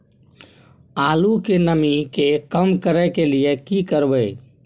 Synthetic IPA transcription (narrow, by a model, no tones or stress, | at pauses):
aːlukenəmikekəmkəɾəkelijekikəɾbə